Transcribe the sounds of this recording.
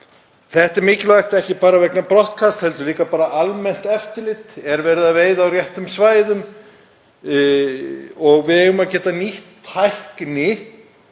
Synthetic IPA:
θɛht̪ɛɾmɪːcɪlvajxt̪ɛhcɪpaːɾavɛknapɾɔht̪kʰast̪hɛlt̪ʏliːkapaːɾaʔalmɛn̥t̪ɛft̪ɪɾlɪt̪ɛɾvɛɾðaveːjðawrjɛht̪ʏmsvaːjðʏm | ɔɣvɪðʏmaðcɛːt̪aniht̪hajhknɪ

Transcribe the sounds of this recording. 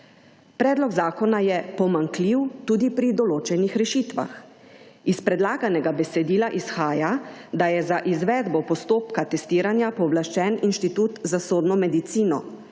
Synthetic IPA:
pɾɛːd̪lɔɡzaːkɔnajɛpɔmaŋkliwt̪uːd̪ipɾid̪ɔloːt͡ʃɛnixɾɛʃiːt̪ʋa̰x | ispɾɛd̪laːɡanɛɡabɛsɛd̪iːlaʔisxaːjad̪ajɛzaʔizʋɛːd̪bɔpɔst̪oːpkat̪ɛst̪iːɾanjapɔblaʃt͡ʃɛːninʃt̪it̪uːt̪zasoːd̪nɔmɛd̪it̪siːnɔ

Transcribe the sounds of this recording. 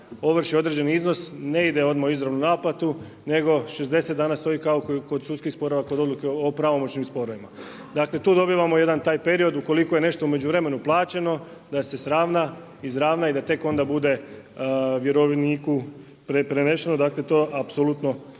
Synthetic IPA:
o̞ʋr̩ʃio̞d̪ɾe̞d͡ʑd͡ʒe̞niizno̞sne̞id̪e̞o̞d̪maoizɾaʋnunaːplat̪u | ne̞ɡo̞ʃe̞zd̪e̞set̪d̪aːnast̪o̞iːkaokko̞d̪sud̪t̪skixspo̞ɾoʋako̞d̪o̞d̪lukeopɾaʋo̞mo̞t͡ɕnimspo̞ɾoʋima | d̪akle̞t̪uːd̪o̞biʋamo̞je̞d̪ant̪aːjpe̞ɾio̞d̪uko̞liko̞jene̞ʃt̪oume̞d͡ʒuʋɾe̞me̞nuplˠaːt͡ɕe̞no̞d̪ase̞sɾaːʋna | izɾaːʋnaid̪at̪e̞ko̞nd̪abud̪e̞ | ʋje̞ɾoʋniːku | pɾepɾene̞ʃenod̪akle̞t̪oːʔapsolut̪no̞

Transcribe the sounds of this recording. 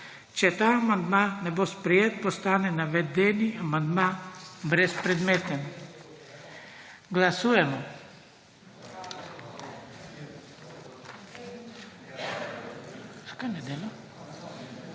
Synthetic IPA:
t͡ʃɛt̪aamand̪manɛbospɾɛjeːt̪̚pɔst̪aːnɛnaʋɛd̪ɛniʔamand̪mabɾɛspɾɛd̪meːt̪ɛm | ɡlasuːjɛmɔ | skajnɛd̪ela

